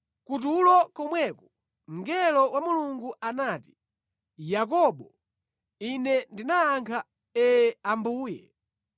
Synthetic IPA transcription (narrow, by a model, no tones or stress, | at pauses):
kut̬ulɔkɔmwɛkɔ̥ | m̩ɡɛlɔwamuluŋɡuʔanaːti̥ | jak̬ɔɓɔ | inɛndinaaŋkʰa | ɛambuːjɛ̰